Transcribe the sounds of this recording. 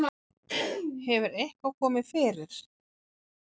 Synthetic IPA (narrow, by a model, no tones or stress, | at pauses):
hɛvʏɾejhkawkʰɔːmɪðfɪːɾɪɾ̥